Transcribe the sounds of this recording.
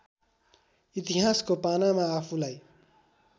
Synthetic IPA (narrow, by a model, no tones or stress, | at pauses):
it̪iɦaskopanamaːpʰulaj